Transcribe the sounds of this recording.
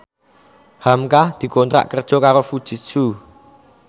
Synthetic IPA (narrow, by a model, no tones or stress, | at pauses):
hamkahd̪̥i̤kont̪ɾa̰ʔkərd̥ʒ̥ɔ̤kaɾofud̥ʒ̥i̤t̪̚su